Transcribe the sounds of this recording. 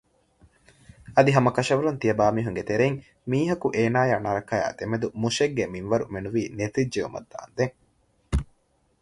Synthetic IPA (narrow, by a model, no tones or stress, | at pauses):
ɐd̪iɦɐmɐkɐʃɐʋɐlunt̪ijɐbaːmiːɦuŋɡet̪eɾeiŋ | miːɦɐkuʔeːnaːjaːnɐɾɐkɐja̰ːt̪emed̪umuʃeɡːeminʋɐɾṵmenuʋiːnet̪id͡ʒd͡ʒeṵmɐ̰d̪ːa̰ːnd̪eŋ